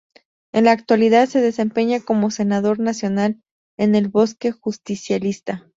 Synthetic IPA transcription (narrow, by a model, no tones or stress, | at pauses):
e̞̰nlaːk̚t̪waliðaðse̞ðe̞se̞mpe̞ɲako̞mo̞se̞naðo̞ɾnasjo̞nal | e̞ne̞lβo̞ske̞xust̪isjalist̪a